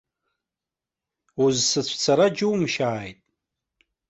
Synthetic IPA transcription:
uzsɨt͡ɕʷʰt͡sʰaɾad͡ʒɪwmʃaːjtʼ

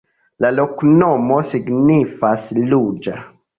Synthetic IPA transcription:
laloknomosiɡnifaslud͡ʒa̰

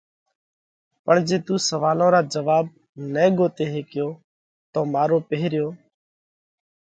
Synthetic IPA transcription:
pəɳd͡ʒeːt̪uːsəʋaːlõːɾaːd͡ʒəʋaːb̚ | nɛːɡoːt̪eːɦeːkɪjoː | t̪õːmaːɾoːpəɦɾɪjoː

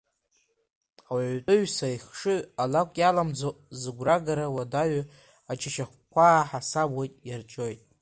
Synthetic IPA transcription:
awʕʷtʼɨɥsaiχʂɨalakʷʼjalamd͡zozɨɡʷraɡaɾawadaɥ | at͡ʃʰaʃaχʷkʷʰaːħasabojtʼjart͡ʃʼojtʼ

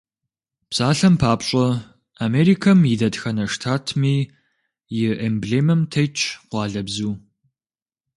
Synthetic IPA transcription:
psaːɬɐmpʰaːpɕʼɔ | ameːɾikʰɐmjidɐtxɐnɐʂtʰaːtʰmiː | jɪʔembɮeːmɐmtʰɐjt͡ʃʼʰqʷɑːɮɐbzuː

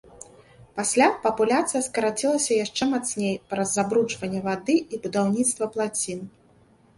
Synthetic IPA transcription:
pasʲlʲapɐpulʲat̪sɨjɐskɐɾat͡sʲilˠɐsʲɐjaʂt͡ʂɛmat̪snʲejpɾɐzːabɾut͡ʂvɐnʲːɛvad̪ɨibud̪awnʲit̪st̪vɐplˠat͡sʲin

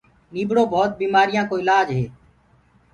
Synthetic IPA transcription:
niːbɽoːbɔːt̪̚biːmaːɾɪjãːkoːɪlaːd͡ʒɦeː

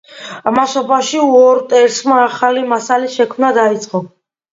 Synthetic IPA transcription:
amaʃɔbaʃiuɔɾt̪ʼɛɾsmaːχalimasaliʃɛkʰmnad̪ait̪sʼqʼɔ

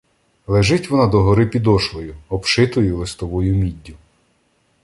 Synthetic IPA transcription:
lˠeʒɪtʲʋɔnɑd̪ɔɦɔɾɪpʲid̪ɔʃlˠɔjʊɔpʃɪt̪ʊjɛʊlˠɪst̪ɔʋɔjʊmʲidʲːʊ

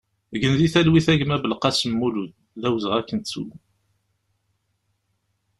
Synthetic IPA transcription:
ɡənðiθælwiθæʝmæbəlqɑsəmːuluð | ðæwzəʁækːənt̪sṵ

